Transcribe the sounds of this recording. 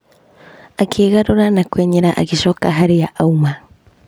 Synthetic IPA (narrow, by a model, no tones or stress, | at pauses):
akʰeːɣaɾoɾanakweɲeɾaʔa̰ɡiʃokaɦaɾijaʔauma